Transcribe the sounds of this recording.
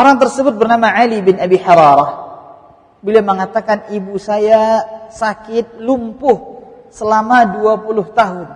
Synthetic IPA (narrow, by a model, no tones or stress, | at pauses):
ʔoɾaŋt̪ərsəbʊt̪̚bərnamaʕalibɪnabiħaɾɑɾɑh | biliaməŋat̪akanibusajasakɪt̪̚lumpʊhsəlamaduapulʊht̪aɦʊn